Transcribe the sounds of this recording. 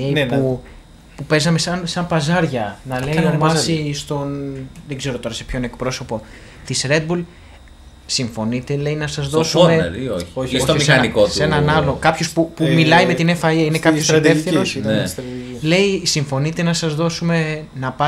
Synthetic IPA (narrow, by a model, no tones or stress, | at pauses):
epu | pupe̞zɐme̞sɐnsɐmpɐzɐɾʝɐnɐle̞iomɐsist̪o̞nðe̞ɡze̞ɾo̞t̪o̞ɾɐse̞pço̞ne̞kpɾo̞so̞po̞ | t̪isɾe̞d̪̚bul | siɱfo̞nit̪e̞le̞inɐsɐzðo̞sumeɾioosoomisɐikosenɐnɐlo̞kɐpçospupumilɐime̞t̪inefɐɐine̞kɐpçoset̪efθiɾosesle̞isiɱfo̞nit̪e̞nɐsɐzðo̞sume̞nɐpɐ